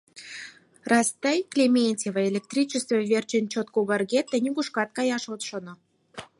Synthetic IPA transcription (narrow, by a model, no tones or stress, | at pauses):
rɑst̪æjklʲemʲenʲtʲevəelʲek̚t̪rʲit͡ɕəst̪vəvʲert͡ɕə̆nʲt͡ɕot̪̚koɣɑrɡet̪ːĕnʲiɡuʃkɑt̪̚kɑjɑʃot̪ʃŏnŏ